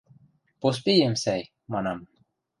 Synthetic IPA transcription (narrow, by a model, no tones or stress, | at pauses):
pospijemsæj | mɑnɑm